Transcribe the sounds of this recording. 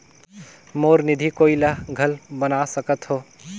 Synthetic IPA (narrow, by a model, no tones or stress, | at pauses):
moɾnid̪ʱikoilaɡʱəlbənasəkət̪ɦo